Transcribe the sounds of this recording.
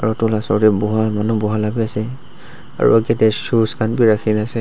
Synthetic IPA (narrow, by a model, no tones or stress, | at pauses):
aɹutʊlasɔɹdɛbɔɦamanubɔɦalabiasɛ | a̰ɹṵaɡatɛsuskanbiɹaxʰinasɛ